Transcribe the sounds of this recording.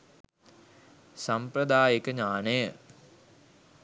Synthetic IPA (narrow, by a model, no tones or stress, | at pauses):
sampɾəd̪aːjekəɲaːnəjə